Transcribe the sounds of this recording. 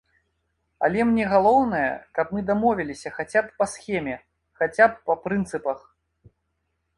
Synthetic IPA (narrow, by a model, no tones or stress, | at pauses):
ɐ̰lʲɛmnʲɛɣalˠɔwnɐjɐ̰kɐp̚mɨd̪amɔvʲɛlʲisʲɐxat͡sʲappɐsxʲɛmʲɛ | xat͡sʲap̚ːɐpɾɨnt̪sɨpɐx